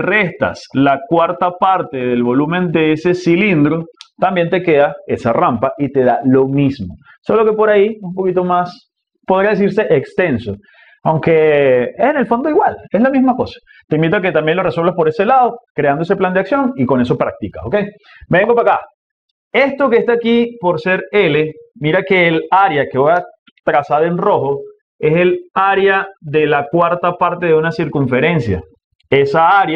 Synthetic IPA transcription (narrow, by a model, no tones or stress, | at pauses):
re̞st̪a̰slakwaɾt̪apaɾt̪e̞ðe̞lβo̞lumẽ̞nd̪eese̞silind̪ɾot̪ambje̞nt̪e̞ke̞ðae̞sarampaʔit̪e̞ðalo̞mismo | so̞lo̞ke̞po̞ɾaiumpo̞kit̪o̞mas | poð̞ɾiaðes̬iɾse̞ʔekst̪e̞nso̞ | awŋke̞ene̞lfo̞nd̪oiɣwale̞slamizmako̞sḁ | t̪eimbit̪oak̬et̪ambje̞nlo̞re̞swelβaspo̞ɾe̞se̞lað̞o̞kɾe̞andoese̞pland̪eaksjo̞ŋiko̞ne̞so̞pɾak̚t̪ika̰okej | be̞ŋɡopaka | e̞st̪o̞kest̪aːkipo̞ɾse̞ɾe̞lemiɾake̞ːlaɾjakeβoja | t̪ɾasaðe̞nro̞xo̞ | e̞se̞laɾjaðe̞lakwaɾt̪apaɾt̪eðeunasiɾkuɱfe̞ɾe̞nsja̰ | e̞saaɾja